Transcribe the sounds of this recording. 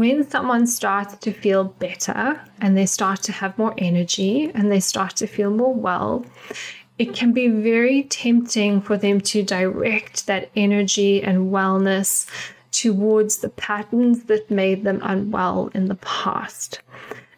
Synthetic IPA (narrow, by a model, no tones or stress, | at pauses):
wɨ̃nsʌ̃mwʌ̃nstɑɹtstʰɨfilˠbɛɾə̰˞ʔɨ̃nðeɪstɑɹtʰɨːvmɔɹʔɛnə˞d͡ʒiɨ̃nðeɪstɑɹtʰɨfilˠmɔɹwɛ̰lˠ | ɨt̚kʰɨ̃nbivɛɹitʰɛ̃mp̚tɪ̃ŋfə˞ðɨ̃mtʰɨdəɹɛk̚t̪̚ðɨɾɛnə˞d͡ʒiɨ̃nwɛlˠnɨs | tʰɨwɔɹdzðəpʰæɾn̩zðɨt̚meɪd̪̚ðɨ̃mə̰̃nwɛ̰lˠɨ̰̃nðəpʰæ̰st